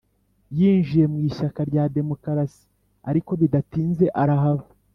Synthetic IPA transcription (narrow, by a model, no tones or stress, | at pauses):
jiːnʒije̞mwiːʃakaɾɟaːde̞mo̞kaɾasi̥ | aɾiko̞βidatiːnze̞ʔaɾaɦaβa